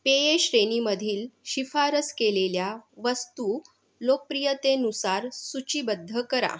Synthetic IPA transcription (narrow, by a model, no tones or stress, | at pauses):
pejeɕɾeniməd̪ʱiːlɕifaɾəskeleljaʋəst̪u | lok̚pɾijət̪enusaɾsut͡ɕiːbəd̪ʱːəkəɾa̰